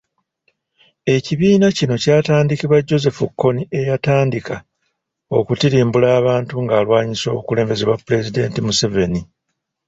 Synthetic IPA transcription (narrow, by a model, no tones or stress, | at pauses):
e̞ciβiːnacino̞caːtaːndikiβaɟo̞ze̞fukːo̞nie̞jataːndika | o̞kutiɾiːmbulaːβaːntuŋɡaːlwaːɲiso̞̰ːβukule̞ːmbe̞zeβwapːule̞zide̞ːntimuse̞ve̞ni